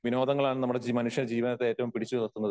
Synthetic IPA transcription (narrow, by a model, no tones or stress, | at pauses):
ʋino̞ːd̪ɐŋːɐɭaːɳnɐmːuɽed͡ʑmɐnuʂjɐɾd͡ʑiːʋinɐt̪ːeeːtːɐʋumpiɽit͡ɕːuʋɐt̪ːunːɐðɨ